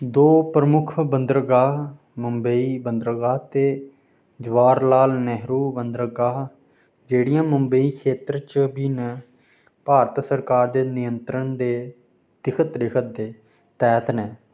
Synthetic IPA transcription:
d̪oːpɾəmʊkʰbənd̪ɾɡaː | məmbəiːbənd̪ɾɡaːt̪eː | d͡ʒʋaːɾlaːlnɛɦɾuːbənd̪ɾəɡaːɦ | d͡ʒeːɽijãːməmbəiːkʰeːt̪ɾt͡ʃbiːnə | paːɾət̪səɾkaːɾd̪eːnɪjənt̪ɾənd̪eː | d̪̥ɪkʰət̪ɾɪkʰət̪̚d̪eː | t̪ɛːt̪ʰnɛː

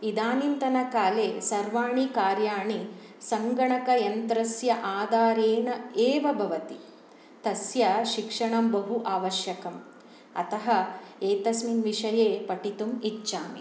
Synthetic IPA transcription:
id̪aːnint̪ɐnɐkaːleːsɐɾʋaːɳikaːɾjaːɳi | sɐŋɡɐɳɐkɐjɐnt̪ɾɐsjɐʔaːd̪aːɾeːɳɐeːʋɐbʱɐʋɐt̪i | t̪ɐsjɐʃikʂɐɳɐmbɐɦuʔaːʋɐʃjɐkɐm | ɐ̰t̪ɐɦɐeːt̪ɐsminʋiʂɐjeːpɐʈit̪umit͡ʃːʃaːmi

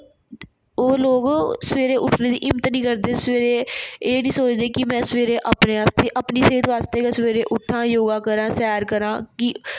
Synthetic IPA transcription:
oːloːɡsəʋeːɾeːʔʊʈʰneːd̪ḭːʔɪmət̪nĩːkəɾd̪eːsʋeːɾeːeːnĩːsoːt͡ʃd̪eːkɪmɛ̃ːsəʋeːɾeːʔaːpneːaːst̪eːʔəpniːseːd̪ʋaːst̪eːkasəʋeːɾeːʔʊʈʰːãːjoːɡaːkəɾãːsɛːɾkəɾãːkɪ

